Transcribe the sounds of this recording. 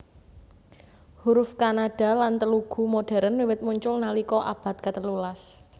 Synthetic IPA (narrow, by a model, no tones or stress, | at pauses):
huɾʊfkanaɖ̥a̤lant̪əluɡ̥ṳmoɖ̥ɛ̤ɾənwiwɪt̪̚muɲt͡ʃʊlnalikɔʔa̰b̥ä̤t̪̚kat̪əlulas